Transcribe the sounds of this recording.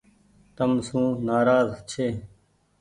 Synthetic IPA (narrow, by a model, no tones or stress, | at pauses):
t̪əmsũːnaːɾaːzt͡ɕʰeː